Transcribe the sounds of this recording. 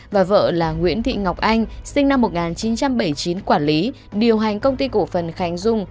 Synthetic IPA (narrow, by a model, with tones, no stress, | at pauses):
vaː˨˩və̰ː˧˨laː˨˩ŋwḭ˧˥ənt̪ʰḭ˧˨ŋa˨˩wk͡p̚ʔa˧jŋ̟sï˧ŋna˧mːo˨˩t̚ŋaː˨˩nt͡ɕi˨˦nt͡ɕa˧mɓə˧˩jt͡ɕi˨˦nkwaː˧˩nli˨˦ | ɗi˨˩əwɦa˨˩jŋ̟kə˧wŋ͡mt̪i˧ko˧˩fə˨˩nxa˨˦jŋ̟zʊ˧ŋ͡m